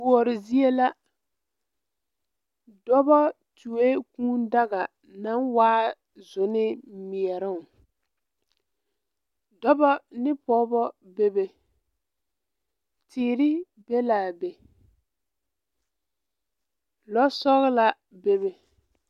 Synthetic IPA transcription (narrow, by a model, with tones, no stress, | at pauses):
u˨ɔ˨ɾɪ˨zi˦e˦la˦ | dɔ˦bɔ˦ | tu˨we˦kũː˦n˦da˦ɣa˨ | na˦nwaː˦ | zʊ˨nɪ˦mi˨ɛ˨ɾɪ˦˨ŋ˨ | dɔ˦bɔ˦nɪ˦pɔ˦bɔ˦be˦be˨ | tɪː˨˦˨ɾɪ˦ | be˦laː˨be˨ | lɔ˦sɔ˦ɣɪ˦la˦ | be˦βe˨